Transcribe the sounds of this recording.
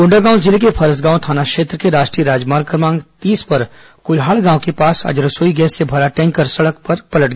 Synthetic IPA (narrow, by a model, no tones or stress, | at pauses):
ʊ̃ɳɖaɡãːw̃d͡ʒɪlkepʰɐɾəsɡãːt̪ʰaːnakʃeːt̪ɾəkeɾaːʃʈɾiəɾaːd͡ʒmaːɾɡkəɾmãːŋɡt̪iːspɐɾ | kʊlɦaːɭɡãːw̃kepaːsɐ̰d͡ʒɾəsoːiɡɛːsːebʱɐɾaʈɛ̃ːŋkːəɾsɐɽəkpɐɾpɐləʈɡ